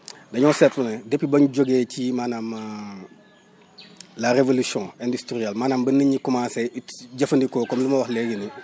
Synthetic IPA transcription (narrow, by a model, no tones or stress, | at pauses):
dɐɲɔːsɛtlunedepːibɐɲɟoɡeːcimanam | lɐɾevolusɔ̃ːɛndustɾiɛlmaːnaːmbɐniɲikumaːseitɟɐfɐndikoːkɔmlumɐwɐxlɛɡeni